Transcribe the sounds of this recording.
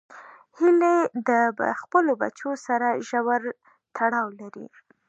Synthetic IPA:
hiled̪əxpəloba̰t͡ʃosaɾaʒawaɾ | t̪ʰaɽɑwlaɾḭ

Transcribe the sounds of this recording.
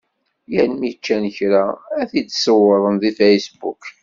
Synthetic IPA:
jænmit͡ʃːænəçɾaæθit͡sːsəwːəðˤənðifæjsbṵk

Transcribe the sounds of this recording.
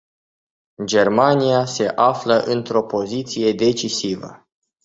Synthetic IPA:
d͡ʒe̞rmanijase̞ʔafləʔɨnt̪ɾo̞po̞zit̪sije̞d̪e̞t͡ʃisivə̰

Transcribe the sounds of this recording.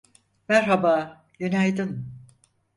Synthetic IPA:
mæɾɦabaː | jynæjd̪ɯm

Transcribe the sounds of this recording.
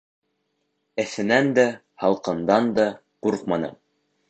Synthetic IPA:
ɘ̆θɘ̆nænd̪æ | hɑlˠqɤ̆nd̪ɑnd̪ɑ | quɾqmɑnɤ̰m

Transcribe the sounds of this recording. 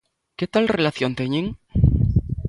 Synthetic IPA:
ket̪alrelaθjont̪eɲẽŋ

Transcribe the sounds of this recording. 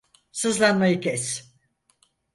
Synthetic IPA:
sɯzlˠanmajɯkʲʰɛs

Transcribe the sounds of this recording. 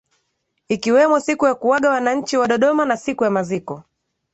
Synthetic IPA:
ikiwɛmɔsikujakuwaɠawanaɲ̩t͡ʃiwaɗɔɗɔmanasikujamazikɔ

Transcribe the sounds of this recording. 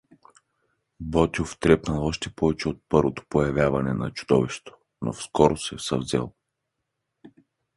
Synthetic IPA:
bɔt̪ʲioft̪ɾɛpnɐlˠɔʃt̪ɛpɔvɛt͡ʃɛot̪̚pɤɾvot̪o̥pojɐvʲjavɐnɛnɐ̰t͡ʃu̥d̪ɔ̰viʃt̪o̥ | no̰fskɔɾosɛsɐvzɛ̰lˠ

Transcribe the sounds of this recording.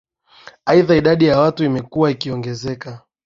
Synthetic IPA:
aiðaiɗaɗijawatuimɛkuwaikiɔŋɡɛzɛka

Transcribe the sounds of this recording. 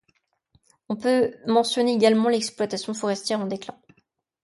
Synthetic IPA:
ɔ̃pømɑ̃sjɔneeɡalmɑ̃lɛksplwat̪asjɔ̃fɔʁɛst̪jɛʁɑ̃d̪eklɛ̃

